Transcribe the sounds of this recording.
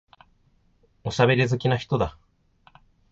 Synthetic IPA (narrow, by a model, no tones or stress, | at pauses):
o̞ɕabe̞ɾʲizɨkʲinaçi̥t̪o̞d̪a